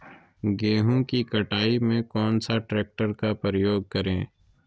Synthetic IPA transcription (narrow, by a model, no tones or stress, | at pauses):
ɡeːɦõkikɐʈaːimẽkɔːnsaʈɾeːk̚ʈəɾkapɾɾəjoːɡ̚kɐɾẽː